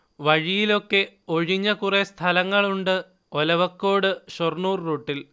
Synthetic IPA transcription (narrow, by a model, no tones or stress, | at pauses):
ʋɐɻijilo̞kːe̞o̞ɻiɲːɐkurest̪ʰɐlɐŋːɐɭuɳɖɨ | olɐʋɐkːo̞ːɽɨɕornuːrːuːʈːil